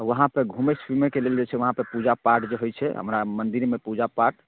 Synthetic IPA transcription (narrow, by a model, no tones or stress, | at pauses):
ʋəɦãpeɡʱũmespimekeleld͡ʒet͡ʃʰɛʋəɦãpəɾpud͡ʒapaɾʈd͡ʒeɦojt͡ʃʰɛɦə̰mɾamənd̪iɾmepud͡ʒapaɾʈ